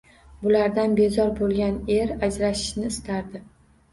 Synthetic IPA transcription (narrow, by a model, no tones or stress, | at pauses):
bʊlaɾd̪anbe̞zɒɾbolˠɡʲane̞ɾad͡ʒɾaʃɪ̥ʃnɪːst̪ʰaɾd̪ɪ